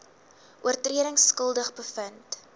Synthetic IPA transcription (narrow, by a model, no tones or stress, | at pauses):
ʔuərtriəɾəŋskəlˠdəχbəfənt